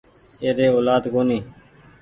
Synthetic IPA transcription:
eːd̪eːoːlaːd̪ɡoːniː

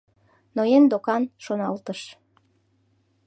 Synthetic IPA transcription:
nojend̪okɑnʃonɑlt̪əʃ

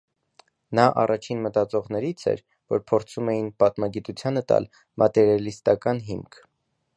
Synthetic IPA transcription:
nɑʔɑ̰rɑt͡ʃʰinmət̪ɑt͡sɔʁnɛɾit͡sʰɛ̰ɾ | vɔɾpʰɔɾt͡sʰumɛjinpɑt̪mɑɡit̪ut͡sʰjɑnət̪ɑ̰l | mʔɑt̪ɛɾjɑlist̪ɑkɑnɦimkʰ

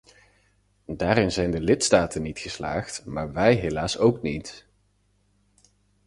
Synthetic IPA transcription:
daːɾɪnzɛjndəlɪtstaːtənitχəsla̰ːχtmaːɹʋɛjɦelaːsowknit

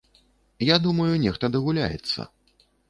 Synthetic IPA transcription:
jad̪umɐjunʲɛxt̪ɐd̪ɐɣulʲa̰jɛ̰t̪sːɐ̰

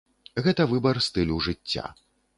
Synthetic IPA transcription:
ɣɛt̪ɐvɨbɐrst̪ɨlʲuwʐɨt͡sʲːa̰

